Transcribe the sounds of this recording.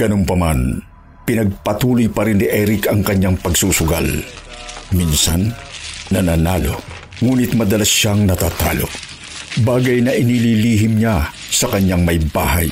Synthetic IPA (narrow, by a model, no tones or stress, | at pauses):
ɡ̥ɐnompɐman | pɪnɐɡ̚pɐt̪uːlojpɐɾɪnːiʔɛɾɪkɐŋkɐɲːaŋpɐɡsuːsʊɡa̰l | minsa̰nːɐnaːnaːlo | ŋuːnɪt̪̚mɐd̪ɐlaʃaŋnɐt̪aːt̪aːlo̰ | baːɡɐjnɐʔɪnililiːɦɪmɲa | sɐkɐɲːaŋmɐjba̰ːɦa̰j